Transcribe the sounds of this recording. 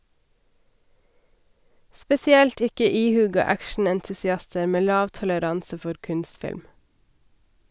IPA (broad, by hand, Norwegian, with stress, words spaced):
spɛsɪˈɛlt ˈɪkə ˈiːˌhʉːɡɑ ˈækʃɳ̩ɛntʉsɪˌɑstə ˈmeː ˈlɑːʋ tɔləˈɾɑnsə ˈfɔɾ ˈkʉnstˌfɪlm